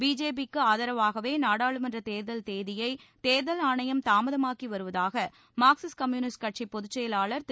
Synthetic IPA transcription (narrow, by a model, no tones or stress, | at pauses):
biːd͡ʒeːp̬ikːɯaːðɐɾɐʋaːɣɐʋeːnaːɽaːɭɯmɛndrɐt̪eːɾðɐlt̪eːðɪjɐɪt̪eːɾðɐlaːɳɐjɐmt̪aːmɐðɐmaːkiʋɐɾɯʋɐðaːɣɐ | maːksɪskɐmjuːnɪsʈ̚kɐʈ̚t͡ʃipːɔðʊt͡ʃːɐjɐlaːɭɐɾt̪